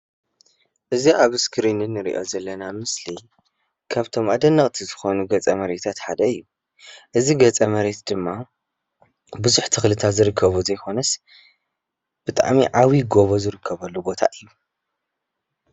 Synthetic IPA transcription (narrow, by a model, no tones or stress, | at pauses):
ʔɨziʔaβɨskʰɾinɨnːɨɾḭʔo̞̰zɐlːɐnamɨsli | kʰaβt̪ʰo̞mʔad̪ɐnːɐχʼt̪ʰizɨxo̞nuɡɐt͡sʼɐmɐɾet̪ʰat̪ħad̪ɐɨjːu | ʔɨziɡɐt͡sʼɐmɐɾe̞t̪d̪ɨmːa | bɨzuħt̪ʰɨxlɨt̪ʰat̪zɨɾɨkʰːɐβuzɐjkʰo̞nɐs | b̥ɨt̪ʼa̰ʕmiʕawiɡo̞βo̞zɨɾɨkʰːɐβɐlːubo̞t̪ʰa̰ʔɨjːu